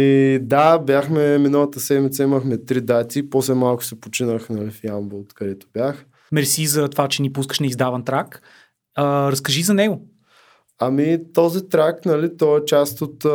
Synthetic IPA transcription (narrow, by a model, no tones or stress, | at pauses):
id̪abʲjaxmɛminəlˠət̪əsɛd̪mit̪sɐiməxmɛt̪ɾid̪at̪ʲipɔslɛmalˠkʊ̥sɛpot͡ʃinəxnɐlifjambot̪kɐd̪ɛt̪ʊ̥bʲjax | mɛɾsizɐt̪ovat͡ʃɛnipus̬kə̥ʃnɛizd̪avɐnt̪ɾak | əɾɐskɐʒizɐnɛɡo | ɐmit̪ɔzit̪ɾaknɐlit̪ɔɛt͡ʃast̪ot̪